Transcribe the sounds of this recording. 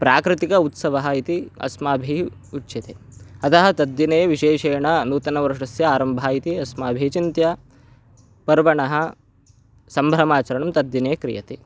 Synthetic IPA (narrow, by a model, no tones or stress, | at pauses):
pɾaːkɾɪt̪ikɐut̪sɐʋɐɦɐit̪iɐ̰smaːbʱi | utːʃit̪eɐt̪ʰɐɦɐ̆t̪ɐd̪jineːjʋiʃeːʂɐːjɐɳɐnuːt̪ɐnɐʋɐɾʂɐsjɐaːɾɐmbʱaːit̪iɐsmaːbʱit͡ʃint̪jɐ | pɐɾʋɐɳɐɦɐ̆ | sɐmbʱɾɐmaːt͡ʃɐɾɐɳɐmt̪ɐd̪jineːkɾḭjɐ̰t̪i